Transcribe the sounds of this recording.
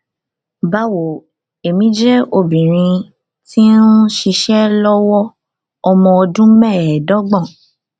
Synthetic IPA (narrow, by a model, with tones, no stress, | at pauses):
ba˨˦wo˨ | e˨mĩ˨˦d͡ʒɛ˦o˧bĩ˨ɾ̃ĩ˧ | ti˦n˦ʃi˧ʃɛ˦lɔ˦wɔ˦ | ɔ˧mɔ̃˧ɔ˧dũ˦mɛ̃˦˨dɔ˦ɡ͡bɔ̃˦˨